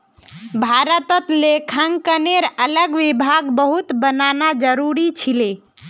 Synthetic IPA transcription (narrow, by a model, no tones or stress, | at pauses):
bʱaɾət̪ət̪lekʰəŋkəneɾələɡʋibʱaɡbəɦut̪bənanad͡ʒəɾuɾit͡ʃʰile